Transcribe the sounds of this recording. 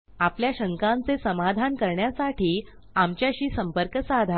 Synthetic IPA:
apljaɕəŋkãnt͡sesəmad̪ʱankəɾɳjasaʈʰiː | amt͡ɕjaɕiːsəmpəɾkəsad̪ʱa

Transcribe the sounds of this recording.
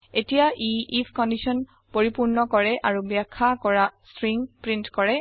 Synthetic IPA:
etijaʔiipʰkɔndisɔn | poɹipuɹnɔkɔɹɛʔaɹubjakʰːakɔɹastɹiŋpɹintkɔɹɛ

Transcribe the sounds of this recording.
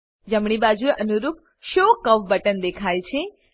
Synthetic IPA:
d͡ʒəmɳ̃ibad͡ʒueʔənuɾup̚ | ʃokəʋbəʈənd̪ekʰajt͡ʃʰe

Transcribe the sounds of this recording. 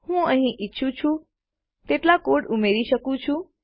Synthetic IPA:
hũəɦĩʔitːʃʰũt͡ʃʰũ | t̪eʈlakoɽumeɾiʃəkũt͡ʃʰũ

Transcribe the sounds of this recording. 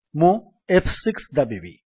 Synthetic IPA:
mũ | epʰsiksd̪ɐbibḭ

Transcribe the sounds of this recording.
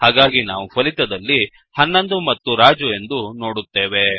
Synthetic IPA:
haːɡaːɡinaːʋupʰɐlit̪ɐd̪ɐlːi | hɐnːɐnd̪umɐt̪ːuɾaːd͡ʒue̞nd̪uno̞ːɽut̪ːeːʋe̞

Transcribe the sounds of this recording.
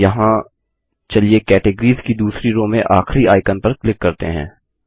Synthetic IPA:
jɐɦã | t͡ʃɐliekɛːʈɪɡəɾiːzkid̪uːsɾiɾoːmẽʔaːxɾiaːɪkənpɐɾklɪkːɐɾt̪ḛɦɛ̰̃ː

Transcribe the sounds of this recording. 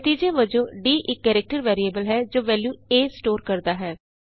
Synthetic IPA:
t̪iːd͡ʒẽːʋəd͡ʒõːɖiːʔɪkːɛːɾɛk̚ʈəɾʋɛːɾiːeːbəlɦɛːd͡ʒoːʋɛːljuːeːsʈoːɾkəɾd̪aːɦɛː

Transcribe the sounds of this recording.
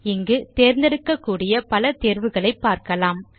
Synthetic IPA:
ɪŋɡɯt̪eːɾnd̪ɛɽɯkːɐkːuːɽɪjɐpɐlɐt̪eːɾʋɯɣɐɭɐɪpːaːɾkɐlaːm

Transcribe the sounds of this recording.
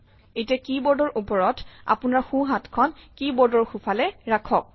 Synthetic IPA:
etiakibɔɹdɔɹʔupɔɹɔtʰa̰punaɹxũɦatkʰɔnkibɔɹdɔɹxupʰalɛɹakʰɔk̚

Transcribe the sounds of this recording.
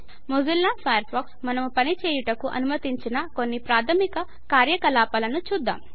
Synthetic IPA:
muzilːaːsaːjɐɾʈbaːksmɐnɐmupɐnit͡ʃɛːjuʈɐkuʔɐ̰numɐt̪iɲt͡ʃinɐko̞nːipɾaːt̪ʰɐmikɐ | kaːɾjɐkɐlaːpɐlɐnut͡ʃuːd̪ːa̰ːm

